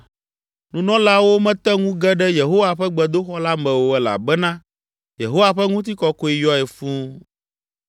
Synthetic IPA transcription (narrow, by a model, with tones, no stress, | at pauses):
nũ˨nɔ̃˦la˦wo˦mɛ̃˦t̪ɛ˦ŋũ˦ɡɛ˦ɖɛ˦je˨ɦo˦wa˨ɸɛ˦ɡ͡bɛ˨d̪o˦xɔ˦la˦mɛ̃˨wo˦ɛ˦la̰˨bɛ˦nã˦ | je˨ɦo˦wa˨ɸɛ˦ŋũ˦t̪̬i˦kɔ˦ko˦i˦jɔ˦ɛ˨fũ˦